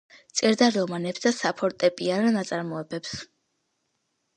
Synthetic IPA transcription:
t̪sʼɛɾd̪aɾɔmanɛpsd̪asapʰɔɾt̪ʼɛpʼiananat̪sʼaɾmɔɛbɛps

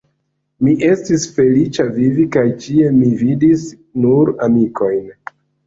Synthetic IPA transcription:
miʔe̞stisfe̞lit͡ʃavivikajt͡ʃie̞mividis | nuɾamiko̞jn

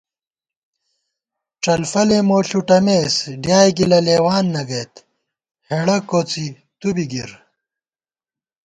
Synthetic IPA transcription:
ʈ͡ʂɐlfɐlemoːɬuʈɐmeːsɖjaːjɡilɐleːwaːnːɐɡɐjt̪ | heɽɐkot͡si | t̪ubiɡiɾ

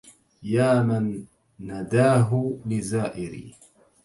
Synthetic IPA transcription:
jaːmanː | ad̪aːɦʊlɪzaːʔɪɾḭː

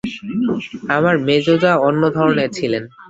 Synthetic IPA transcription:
amaɾmed͡ʑod͡ʑaonːod̪ʱɔɾoneɾt͡ɕʰilen

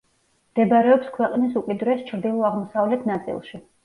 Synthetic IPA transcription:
md̪̥ɛbɾɛɔpskʰwɛqʼnisukʼid̪ɾɛst͡ʃʰɾd̪ilˠɔaʁmɔsavlɛt̪ʰnat̪sʼḭlˠʃi

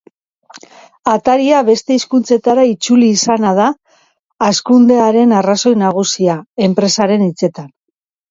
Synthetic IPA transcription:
at̪aɾiaβe̞st̪e̞iskunt͡se̞t̪aɾait͡suliːsanað̞aː | skund̪e̞aɾe̞naraso̞jnaɣ̞usiae̞mpɾe̞saɾe̞nit͡se̞t̪an

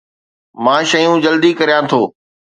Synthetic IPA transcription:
mãːʃɐjũd͡ʑɐld̪ikɐɾijãt̪ʰoː

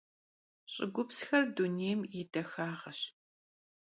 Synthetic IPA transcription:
ɕʼɪɡʷʊpsxɐrduneːjmjɪdɐxaːʁɐɕ

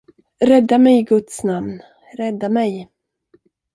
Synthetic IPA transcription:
ɾɛd̪ːamɛjɡɵt̪snamn | ɾɛd̪ːamɛj

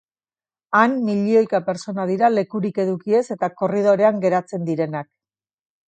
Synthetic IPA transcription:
anːiʎio̞jkape̞ɾt͡so̞nað̞iɾale̞kuɾike̞ðukie̞se̞t̪ako̞rið̞o̞ɾe̞aŋɡe̞ɾat͡se̞nd̪iɾe̞nak̚

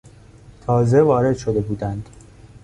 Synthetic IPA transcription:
t̪ʰɒːze̞vɒːɾe̞d̪̥ʃo̞d̪e̞buːd̪ænd̪̥

